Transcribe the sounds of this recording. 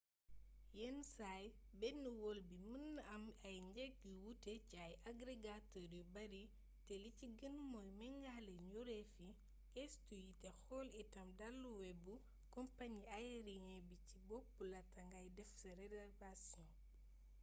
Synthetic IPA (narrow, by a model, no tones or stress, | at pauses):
jɛnsaj | bɛnːuwɔlbimənːɐmɐjɲɟɛk̚diwutɛciɐjʔaɡɾiɡatɔɾjubɐɾi | tɛliciɡənmɔjmɛŋɡalɛɲuɾɛfi | kɛstujitɛxɔːlitɐmdalːuwɛbu | kɔmpaɲiajɛɾiɲɛbicibɔk̚ːulɐtɐŋɡɐjdɛfsɐɾɛdɛrvasɔ̃